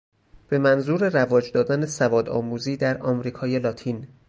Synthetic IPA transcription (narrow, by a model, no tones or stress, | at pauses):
b̥e̞mænzuːɾerævɒːd͡ʒd̪ɒːd̪ænesævɒːd̪ɒːmuːziːd̪æɾɒːmɾiːkʰɒːje̞lɒːt̪ʰiːn